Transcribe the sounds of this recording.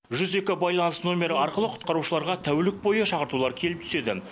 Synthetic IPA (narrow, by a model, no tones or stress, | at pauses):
ʒʏze̞kʲɪbɑjlˠɑnəsno̞mʲe̞ɾɑɾqəlˠəqʰʊ̥t̪qɑɾuʃəlˠɑɾʁɑt̪ʰæwlɪk̚bo̞jəʃɑqəɾt̪ulˠɑɾkʲʰe̞lɪp̚t̪ʰʏ̥se̞d̪ɪ